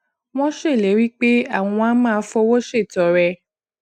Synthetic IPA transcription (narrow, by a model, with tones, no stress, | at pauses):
w̃ɔ̃˦ʃe˦˨le˨˦ɾi˦k͡pe˦a̰˦˨w̃ɔ̃˧a˦mãː˦˨˧fɔ˧wo˦ʃe˦˨tɔ˨ɾɛ˧